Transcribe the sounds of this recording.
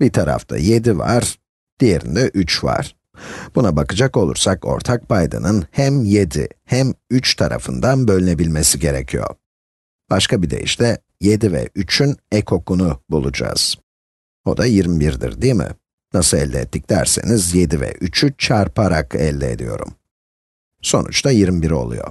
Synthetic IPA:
bit̪ʰaɾa̰ft̪ʰa̰je̞d̪iva̰ɾ̥ | d̪̥ije̞ɾḭnd̪ɛʔyt͡ʃva̰ɾ̥ | b̥unabakɯd͡ʒako̞lˠṵɾsako̞̰ɾt̪ʰak̚pʰajd̪a̰nɯnhæmje̞d̪ihæmyt͡ʃt̪ʰaɾʔa̰fɯnd̪anbø̞lʲyne̞bilʲmesiɟe̞ɾɛcʰijo̞̰ | b̥aʃkʰabid̪e̞jḭʃt̪ɛ | je̞d̪ivɛ̰ʔyt͡ʃʰynɛkʰo̞kʰunubulˠud͡ʒa̰z̥ | o̞d̪ajiɾmibiɾd̪ḭɾd̪imɪ̰ | nasɯlɛlʲdʲːɛɛt̪ʰːiclʲæ̰ɾsḛnizje̞d̪ivɛ̰ʔyt͡ʃʰyt͡ʃʰaɾpʰaɾakʰɛlʲːɛḛd̪ḭjo̞̰ɾṵm | so̞̰nṵt͡ʃt̪ʰajiɾmibiɾo̞̰lˠṵjo̞̰

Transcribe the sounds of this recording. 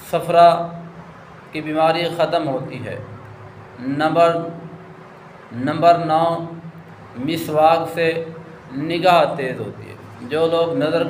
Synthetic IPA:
səpʰɾa | kibiːmaːɾixət̪əmɦoːt̪iɦɛ̰ː | bəɾ | nə̃mbəɾnɔː | mɪsʋaːɡse | nɪɡaːɦt̪eːzɦo̰ːt̪ḭɦɛ̰ː | d͡ʒoːloːɡnɐzəɾ

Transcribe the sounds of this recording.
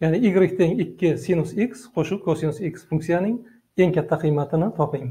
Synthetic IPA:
janɪɪɡʲɾɪkʲt̪ʰeŋɪkʲʰːɪsinʊsiksqʰoʃʊkʰosinʊsiksfuŋk̪̚sijanɪŋ | e̞ŋkʲʰat̪ʰːaqʰɨjmat̪ʰɪnɪt̪ʰɒpɪŋ

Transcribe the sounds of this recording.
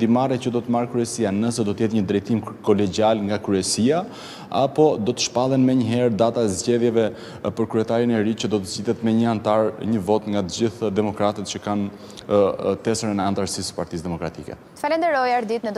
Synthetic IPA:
d̪imarɛcəd̪ɔt̪əmarkɾyɛsianəsɛd̪ɔt̪əɛt̪ɲəd̪ɾɛjt̪imkɔlɛɟialŋɡakɾyɛsia | a̰pɔd̪ɔt̪ə̥ʃpalˠɛnmɛɲəɦɛɾd̪at̪aɛzɟɛðjɛvɛ | pəɾkɾyɛt̪aɾinɛɾicəd̪ɔt̪əzɟiðɛt̪mɛɲəant̪aɾɲəvɔt̪ŋɡat̪əd͡ʑiθd̪ɛmɔkɾat̪ɛt̪̚t͡ɕəkan | t̪ɛsəɾɛnɛant̪aɾsisə̥paɾt̪isd̪ɛmɔkɾat̪ikɛ̰t̪əfalɛnd̪ɛɾɔjaɾd̪it̪nəd̪

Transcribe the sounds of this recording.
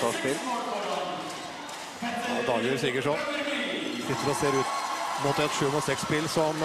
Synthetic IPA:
ɑʂpɪl | d̪ɑːjʉɾsɪkːəʈʂɔn | sɪt̪ːəɾɔseːɾʉːt̪muːt̪ːəɛt̪ʂʉːkɔmɑsɛkspɪlsɔm

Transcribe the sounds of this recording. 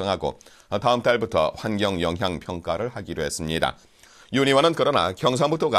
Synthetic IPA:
ʌŋɦaɡo̰ | taɯmt͈aɭbutʰʌ̰ɸwanɡjʌŋjʌŋɦjaŋpʰjʌŋk͈aɾɯɭhaɡiɾoɦe̞s͈ɯmɲida̰ | juɲiwanɯnkɯɾʌna̰kjʌŋs̬ʰaŋbutʰoɡa

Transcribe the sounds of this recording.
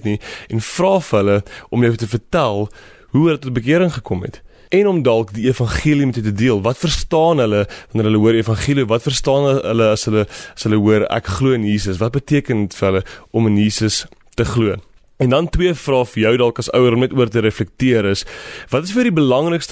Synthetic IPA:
tniɛnfrɑːfəɦələʔɔmjəwtəfərtælˠ | ɦuɦələtɔt̚bək̬iəɾəŋχəkɔmɦɛ̰t | ɛnɔmdɐlˠkdiefɐnχiəlimɛtjəwtədiəlˠvɐtfərstɑːnɦələvɐnəɾɦələɦuəɾəfɐnχiəliɔvɐtfərstɑːnə̰ləɐsɦələɐsɦələɦuəɾæ̰kχluəənjiːsəsvɐt̚bətiəkənətfərɦələʔɔmənjiːsəs | təχluə | ɛndɐntwiəfrɑːfəjœwdɐlˠkɐsœwəɾɔmnɛtuərtəɾɛflɛk̚tiəɾəsvɐtəsfədibəlɐŋrəkst

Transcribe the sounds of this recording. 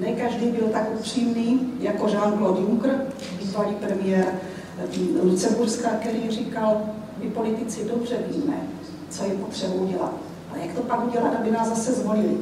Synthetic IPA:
nɛkaʒdiːbɪlt̪akʔupr̝̥iːmniːjako̞ʒaːnɡlod̪juŋkr̩ | biːzvaliːpɾɛmɪjɛɾ | lut͡sɛburskakɛɾiːmriːkal | mɪpo̞lɪt̪ɪt͡sɪdobr̝ɛviːmɛ | t͡so̞jɛpot̪r̥ɛbuwɟɛlat̪̚ | ʔalɛjakt̪o̞pakuɟɛlat̪abɪnaːzzasɛzvo̞lɪlɪ

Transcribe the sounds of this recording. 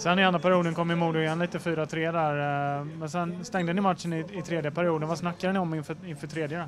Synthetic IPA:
sɛnːɪɛnd̪ɾapʰæɾɪjuːd̪ənkʰɔmːɪmuːd̪ʊjɛnliːt̪əfyːɾaɔt̪ʰɾeːd̪æɾmɛnsɛnst̪ɛŋd̪ənɪmat̪ʂənɪɪt̪ʰɾeːd̪jəpʰæɾɪuːd̪ənvasnakːad̪ənɪɔmːɪnfœɪnfœːʈʰɾeːd̪jəə

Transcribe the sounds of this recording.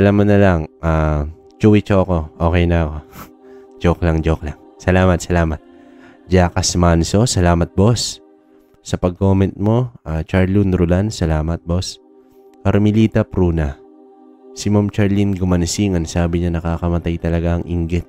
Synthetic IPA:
sɐlaːmɐt̪nɐlaŋʔaː | t͡ʃuwit͡ʃoɐko̞ʔo̞ːkɛjnɐɐko̞ | d͡ʒoklɐŋd͡ʒoklaŋ | sɐlaːmɐt̪sɐlaːmɐt̪̚ | d͡ʒaːkɐsmanso̞sɐlaːmɐt̪̚bo̞sː | ɐpɐɡ̚ko̞ːmɛnt̪̚mo̞at͡ʃaɹlunɾʊlansɐlaːmɐt̪̚bo̞s | kɐɾmɪliːt̪ɐpɾuːnɐ | sɪmamt͡ʃɐɹlinɡʊmɐnsiŋɐnsaːbɪɲanɐkaːkɐmɐt̪ajt̪ɐlɐɡaɐŋʔɪŋɡɪt̪̚

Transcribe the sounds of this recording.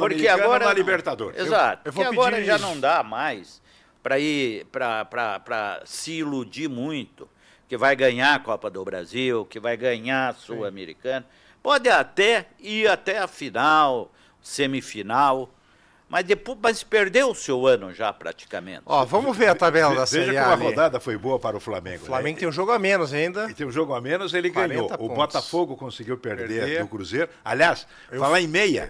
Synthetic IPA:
poɾkeaɡɔɾɾɐalibeɾt̪ad̪oɾezat̪ʊ̥ewvoaɡɡɔɾɐʒanɐ̃w̃d̪amajs | pɾɐipɾɐpɾɐpɾɐ̰sɪːlud͡ʒiɾmũj̃t̪ʊ̥ | kɪvajɡɐ̃ɲaɐkɔpɐd̪ʊbɾa̰ziwkɪvajɡɐ̃ɲasuameɾḭkɐ̃nɐ | pɔd̪ɪat̪ɛ | iɾat̪ɛɐfinaw | sẽmifinaw | mʔɐzd̪epomɐspeɾd̪ewʊsewɐ̃nʊʒapɾa̰t͡ʃi̥ka̰mḛ̃nt̪ɔvɐ̃mʊveɾɐt̪abɛlɐd̪ɐsveʒɐ̃iam̃ɐod̪ad̪ɐfojboɐpaɾɐʊflamḛ̃ŋɡʊflamẽɡʊt̪ẽj̃ʒoɡʊamẽnʊzaĩnd̪ɐt̪ẽj̃ũʒoɡʊamẽnʊzelɪɡɐ̃ɲot̪ʊbɔt̪afoɡʊkõsɪɡiwpeɾd̪eɾʊkɾuzeɾʊa̰lias | falaẽmejɐ̰

